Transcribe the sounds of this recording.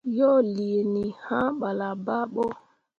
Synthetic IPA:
jɔ˦li˨e˨ni˨hã˦ɓa˨la˨ba˦ɓɔ˦

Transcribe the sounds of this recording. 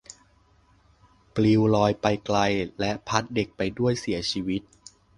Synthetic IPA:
pli˧wlɔː˧jpa˧jkla˧jlɛ˦˥ʔpʰa˦˥t̪̚de˨˩k̚pa˧jdu˥˩əjsi˩˦ɐt͡ɕʰiː˧wi˦˥t̪̚

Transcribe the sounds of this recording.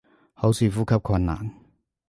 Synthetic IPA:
ho˨˥wsiː˨˧fuː˦˥kʰɐ˦˥p̚kʰɐ˧nːa̰ː˨˩ŋ

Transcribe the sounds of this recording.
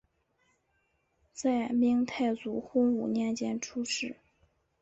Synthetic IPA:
t͡sa˥˧ɪmi˥ŋt̪ʰa˥˩ɪt͡su˨˥xʊ˥ŋu˨˩njɛ˥˩nt͡ɕjɛ˥nʈ͡ʂʰu˥ʂɻ̩˥˩

